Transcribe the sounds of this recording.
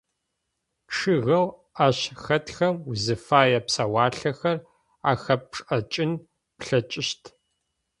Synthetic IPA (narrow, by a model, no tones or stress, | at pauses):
ʈ͡ʂʰɨɣɐw | aːɕxɐtxɐmuzɨfaːjɐpsɐwaːɬɐxɐr | aːxɐp̚ʈ͡ʂʼɐt͡ʃʼɪn | pɬɐt͡ʃʼɪɕtʰ